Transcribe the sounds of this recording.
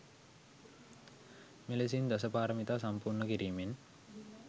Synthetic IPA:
meles̬ind̪ɐs̬əpaːɾəmit̪aːsampuːrɳəkiɾiːmen

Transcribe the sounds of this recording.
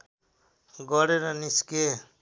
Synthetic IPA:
ɡʌɾeɾʌniske

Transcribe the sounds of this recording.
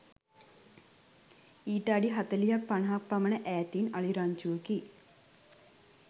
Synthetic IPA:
iːʈəaɖiɦat̪əlijak̚panəɦak̚pamənəʔæːt̪inaliɾaɲt͡ʃuʋəki

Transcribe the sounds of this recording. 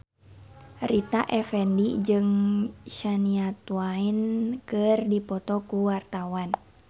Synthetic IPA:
rit̪aʔɛfɛndid͡ʒɨŋʃaniat̪uainkɨrdipɔt̪ɔkuwart̪awan

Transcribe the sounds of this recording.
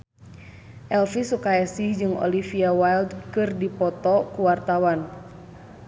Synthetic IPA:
ʔɛlfisukaɛsihd͡ʒɨŋɔ̰lifiawajldkɨrdipɔt̪ɔkuwart̪awan

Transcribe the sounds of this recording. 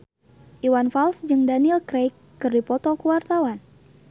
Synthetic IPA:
ʔiwanfalsd͡ʒɨŋdanilkɾejkːɨrdipɔt̪ɔkuwart̪awan

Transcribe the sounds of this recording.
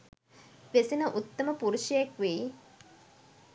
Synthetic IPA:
ʋesinəʔut̪ːəməpuɾuʃəjekʋei

